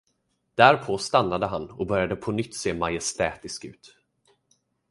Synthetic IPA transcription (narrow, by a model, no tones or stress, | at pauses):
d̪̥æɾpʰoːst̪anːad̪əɦanːɔkbœɾjad̪əpʰɔnʏt̪ːseːmajɛst̪ɛːt̪ɪskʉ̟ːt̪